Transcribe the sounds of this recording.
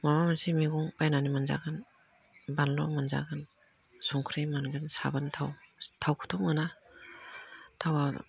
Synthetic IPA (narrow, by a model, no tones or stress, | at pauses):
mamamansimiɡuŋpajnanimanza̰ɡɯn | banlɔ̰manza̰ɡan | sɔŋkʰɾimanɡɯnsa̰bantʰawtʰawkʰu̥tʰɔŋɯna | tʰawa̰